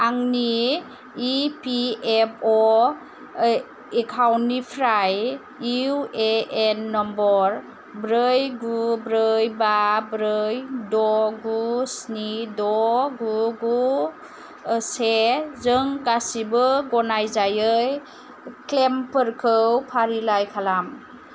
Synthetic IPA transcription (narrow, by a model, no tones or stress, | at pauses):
aŋniː | piep̚ʰɔ | ekʰawnːipʰɾaj | iueenːɔmbɔɾ | bɾɯjɡubɾɯjbabɾɯjdɔɡusnidɔɡuɡu | sezɯŋɡasibɯɡɔnajzajɯj | klempɯɾkʰɯwpʰaɾilajkʰalam